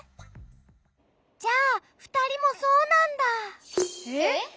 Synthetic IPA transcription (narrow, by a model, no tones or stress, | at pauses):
d͡ʑaːɸɯ̟̥t̪aɾʲimo̞so̞ːnãnd̪a